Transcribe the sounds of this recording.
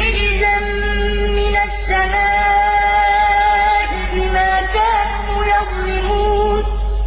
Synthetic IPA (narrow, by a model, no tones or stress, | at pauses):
ɪɪzamː | ɪnasːamaː | ʔɪbɪmaːkaːn | ujɑsˤlɪmuːn